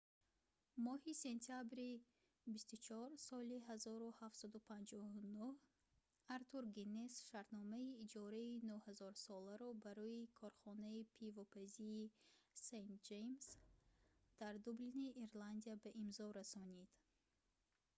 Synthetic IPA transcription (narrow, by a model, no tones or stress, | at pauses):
mɔhise̞nt̪ʰiabɾi | bist̪ut͡ʃʰɔɾsɔliɦazɔɾuhafsad̪upʰand͡ʒɔunuh | aɾt̪ʰuɾɡinesʃaɾt̪nɔmaiːd͡ʒɔɾainuhazɔɾsɔlaɾɔbaɾɔikʰɔɾχɔnaipʰivɔpʰaziː | sejnt̪̚d͡ʒejms | d̪̥aɾd̪ubliniʔːɾland̪iabaʔimzɔɾasɔnid̪̥